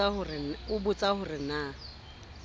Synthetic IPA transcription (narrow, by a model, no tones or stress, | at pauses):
ahʊrɪʊbʊt͡sʼahʊrɪna